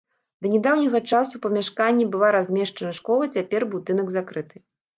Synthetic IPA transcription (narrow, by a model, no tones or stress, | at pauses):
d̪ɐnʲɛd̪awnʲɐɣɐt͡ʂasupɐmʲaʂkanʲːɛbɨlˠaɾazʲmʲɛʂt͡ʂɐnɐʂkɔlˠɐt͡sʲapʲɛrbud̪ɨnɐɡzakɾɨt̪ʰɨ